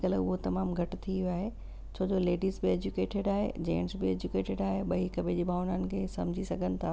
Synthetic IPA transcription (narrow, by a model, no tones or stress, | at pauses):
kɐlʊɦot̪ɐmaːmɡʱɐʈt̪ʰiʋjaːɦe | t͡ɕʰoːd͡ʑoleːɖiːzbɪeːd͡ʑukeːʈeɖaːɦḛd͡ʑẽːɳʈsbɪeːd͡ʑukeːʈɪɖaːɦeɓɐikɐbʱed͡ʑiːbʱaːʋʊnənɪ̆kʰeːsɐ̃md͡ʑʱisɐɡʱənɪ̆t̪ʰaː